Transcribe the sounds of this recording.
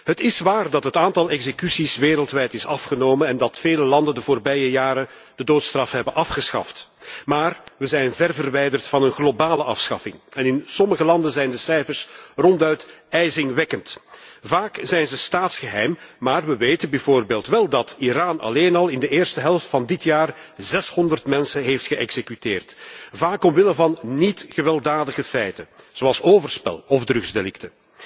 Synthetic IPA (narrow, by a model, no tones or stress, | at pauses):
ɦətɪsʋaːrdɑtɦətaːntɑlˠɛɡzekysisʋeːɾəlˠtʋɛjtɪsɑfχənoːmənɛndɑtfeːləlɑndəndəvoːrbɛjəjaːɾə | d̥ədoːtstrɑfɦɛbənʔɑfχəsxɑ̰ftmaːrʋəzɛjnvɛrvərʋɛjdərtfɑnənɣlobaːləʔɑfsxɑ̰fɪŋɛnɪnsɔməɣəlɑndənzɛjndəsɛjfərsrɔntœɥtɛjzɪŋʋɛkəntvaːkz̥ɛjnzəstaːtsxəɦɛjmːaːrʋəʋeːtənbɛjvoːrbeːlˠtʋɛlˠdɑtiɾaːnɑ̰leːnɑlˠɪndəeːrstəɦɛlˠftfɑndɪtjaːr | zɛshɔndərtmɛnsənɦeːftxəʔɛ̰ɡz̥ekyteːrtvaːkɔmʋɪləvɑnnitɣəʋɛlˠdaːdəɣəfɛjtə | z̥oɑlˠsoːvərspɛ̰lˠɔvdrɵɣzdelɪktə